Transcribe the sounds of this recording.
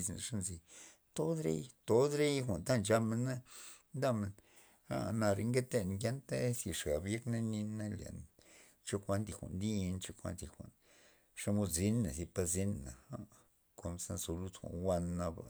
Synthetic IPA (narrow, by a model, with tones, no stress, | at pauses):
zna̰˨ʂa˦nzi˧ | t̪o˦d̪ɾḛ˦jt̪o˦d̪ɾe˦jxʷa˨nt̪a˦nd͡ʒa˧me˧na˦nd̪a˦me˧n | a̰˦˨na˧ɾe˧ŋɡe˦t̪e˧˨n˨ŋɡja˦nt̪e˦sji˨ʂɡa˨bje˦kna˦ni˧na˦ljḛ˨n | t͡ʃo˦˧kʷa˦nd̪i˨xʷa̰˨nd̪i˦˧nt͡ʃo˦kʷa̰˧˦nd̪i˨xʷa̰˨n | ʂa˧mo˧d̪zi˦nːa˨zi˧pa˧zi˦nna̰˨a˦ | ko˧m˧sa˧nso˧lu˦t̪xʷa̰˨nwʷa˧nːa˧ba̰˨